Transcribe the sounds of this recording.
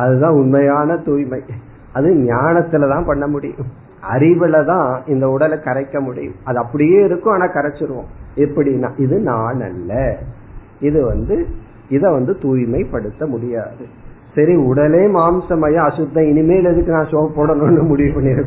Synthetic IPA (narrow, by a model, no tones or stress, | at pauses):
ɐðɯt̪ãːʊɳmɐjaːnɐt̪uːjmɐɪ | ɐðɯɲaːnɐt̪ːɯlɐt̪ãːpɐɳːɐmʊɽɪ̰jʊ̰̃m | ɐ̰ɾɪʋɯlɐt̪ãːɪnd̪ɐʊɽɐlkɐɾɐɪkːɐmʊɽɪ̰jʊ̰̃ɐðɯɐpːɐɽɪjeːɪɾɯkːʊ̃aːnãːkɐɾɐt͡ʃːɪɾɯʋõ̰ːɛpːɐɽɪnːa̰ːʔɪðɯnaːɳɐ̰lːɐ | ɪðɯʋɐnd̪ɯ | ɪðɐʋɐnd̪ɯt̪uːjmɐɪpɐɽɯt̪ːɐmʊɽɪjaːðɯ | sɐɾiʊɽɐleːmaːmsɐmaːjɐ̃ɐsʊd̪ːɐ̃ɪnɪmeːlɪðɯkːɯnãːsoːɐpːoːɽɐnõːnːɯmʊɽɪjɯ̃pɐnːɪɾɯkː